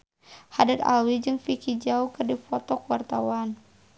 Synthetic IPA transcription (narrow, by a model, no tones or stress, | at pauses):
hadat̪a̰wid͡ʒɨŋfikid͡ʒaukɨrdifɔt̪ɔkuwart̪awan